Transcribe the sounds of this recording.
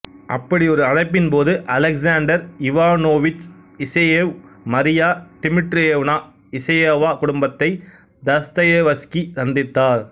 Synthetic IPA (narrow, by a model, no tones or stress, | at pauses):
ʔɐ̰pːɐɽiɔɾɯɐɽɐɪpːɪnpoːðɯʔɐlɐksaːɳɖɐɾɪʋaːnoːʋɪt͡ʃɪsɐjeːʋmɐɾɪjaːʈɪmɪʈɾeːʋnaː | ɪsɐjaːʋaːkʊɽʊmbɐt̪ːɐɪ | d̪ɐst̪ɐjeʋɐskit̪ɐnd̪ɪt̪ːaːɾ